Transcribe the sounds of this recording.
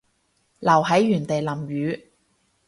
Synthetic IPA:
lɐ˨˩wɦɐ˨˥jːyː˨˩nt̪e˨jlɐ˨˩mjyː˨˧

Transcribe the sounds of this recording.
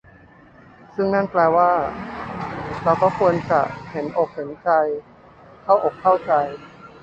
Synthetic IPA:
sɯ˥˩ŋna˥˩nplɛː˧waː˥˩ | ɾa˧wkɔː˥˩kʰu˧ənt͡ɕa̰˨˩he˩˦nʔo˨˩k̚he˩˦nt͡ɕa˧j | kʰa˥˩wʔoː˨˩kʰːa˥˩wt͡ɕa˧j

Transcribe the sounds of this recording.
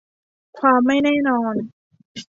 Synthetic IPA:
kʰwaː˧mːa˥˩jnɛː˥˩nɔː˧n

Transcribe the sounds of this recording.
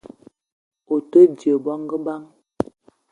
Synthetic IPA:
o˨tə˦djə˨bɔ˦ŋɡə˦ba˦ŋ

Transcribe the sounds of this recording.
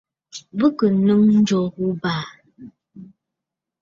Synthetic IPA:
bə˦kə˨nɨ˦ŋn̩˦d͡ʒɔ˨˦ɣu˦baː˨

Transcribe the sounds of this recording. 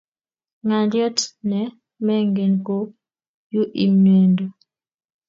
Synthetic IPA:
ŋa˨ndjɔ˦tnɛ˨ | mɛ˦ŋɡe˨nko˦ | ju˦ʔi˨mɛ˨ndɔ˨

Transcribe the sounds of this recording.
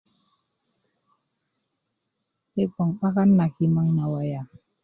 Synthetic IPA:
he˦k͡pɔ˨ŋɓa˦ka˦nːa˨ki˨ma˧ŋna˨wa˨ja˨

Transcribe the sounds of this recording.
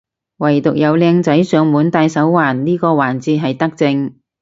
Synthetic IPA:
wɐ˨˩jt̪ʊ˨k̚jɐ˨˧wlɛː˧ŋt͡sɐ˨˥jsœː˨˧ŋmuː˨˥nt̪aː˧jsɐ˨˥wwaː˨˩nliː˥kɔː˧waː˨˩nt͡siː˧ɦɐ˨jt̪ɐ˥k̚t͡sɪ˧ŋ

